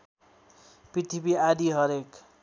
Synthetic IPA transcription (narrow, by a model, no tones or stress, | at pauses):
piʈʰipiad̪iɦʌɾek